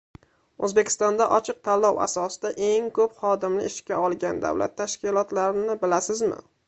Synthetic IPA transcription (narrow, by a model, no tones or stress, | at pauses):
ɵzbe̞kʲɪ̥st̪ɒnd̪aʔɒt͡ʃʰɨq̚t̪ʰalːɒwa̰sɒsɪ̥d̪aʔe̞ŋkʰɵpχɒd̪ɪmlɪɪʃkʲaɒlˠɡʲand̪a̰wla̰t̪ʰːaʃkʲɪlˠɒt̪laɾɪnɪbɪlasɪzmɪ̰